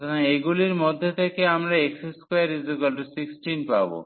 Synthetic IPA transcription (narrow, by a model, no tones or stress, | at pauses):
naeɡuliɾmod̪ʱːet̪ʰekeamɾaekseskojeɾizokalʈsiksʈinpabo̰